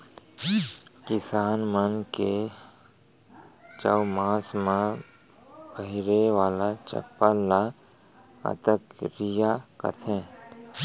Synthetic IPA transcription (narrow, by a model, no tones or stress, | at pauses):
kɪsaːnmənke | t͡ʃəwmãːsmã | bəɦɪɾeʋaːlat͡ʃə̰pːala | ə̰t̪əkɾijakə̰t̪ʰẽ